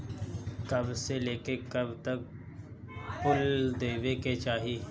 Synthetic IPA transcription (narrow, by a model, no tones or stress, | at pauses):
kɐbseleːkekəbt̪ək̚ | pʊld̪eːʋeket͡ʃaːɦiː